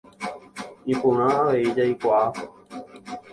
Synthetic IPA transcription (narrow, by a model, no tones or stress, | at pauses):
ipũɾ̃ãaʋeid͡ʒajkʷaapo